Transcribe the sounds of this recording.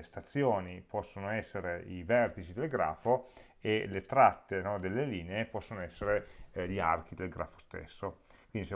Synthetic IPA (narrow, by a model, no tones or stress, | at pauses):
st̪at̪sːjoːnipɔsːonoɛsːeɾeivɛrt̪it͡ʃid̪elɡɾa̰ːfo | elet̪ɾat̪ːenɔd̪elːeliːneepɔsːonoɛsːeɾeʎia̰rk̟id̪elɡɾʔa̰ːfo̥st̪ḛsːokwind̪it͡ʃɛ